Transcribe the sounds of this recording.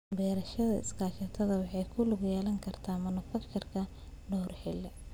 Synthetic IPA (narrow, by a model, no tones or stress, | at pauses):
bɛːɾɐʃɐðɐɪ̰skʰaːt͡ʃɐt̪ʰɐðɐwɑħɑjkʰʊlʊɡjɛːlɐŋkʰɐrt̪ʰaːmɐnʊfɐkt̪ʰɐrkʰɐ | ɖɔrħɛlːɛ